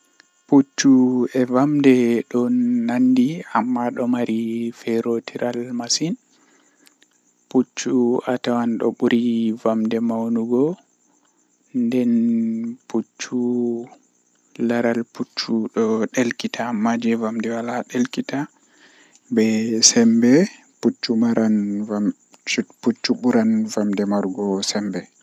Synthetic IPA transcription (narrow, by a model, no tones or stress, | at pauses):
put͡ʃːuɛvamdɛɗɔnːandiamːaɗɔmaɾʔifɛɾotʰiɾʔalmasin | put͡ʃːuatawanɗɔ̰ɓuɾivamdɛmawnuɡɔ | ndɛnput͡ʃːu | laɾalput͡ʃːuɗɔɗelkitamad͡ʒɛvamdɛwalaɗelkita | bɛsɛmbɛ | put͡ʃːumaɾana | put͡ʃːuɓuɾanvamdɛmaɾɡɔsɛmbɛ